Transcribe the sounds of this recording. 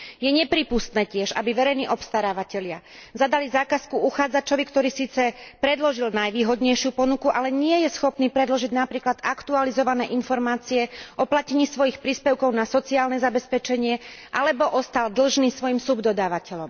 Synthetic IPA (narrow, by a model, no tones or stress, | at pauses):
jɛɲɛpɾiːpust̪nɛːcɪɛʒa̰biʋɛɾɛjniːʔɔpst̪aɾaːʋacɛʎɪa | zad̪alizaːkaskuuxaːd͡zat͡ʃɔʋikt̪ɔɾiːsiːt͡sɛpɾɛd̪lɔʒilnajʋiːɦɔd̪ɲɛjʃɪupɔnukuʔalɛɲɪɛjɛsxɔpniːpɾɛd̪lɔʒiɟnapɾiːklad̪akt̪ualizɔʋanɛːʔinfɔɾmaːt͡siɛʔɔplacɛɲiːsʋɔjixpɾiːspɛʊkɔʊnasɔt͡siaːlnɛzabɛspɛt͡ʃɛɲɪɛʔalɛbɔʔɔst̪ald̪l̩ʒniːsʋɔjimsubd̪ɔd̪aːʋacɛʎɔm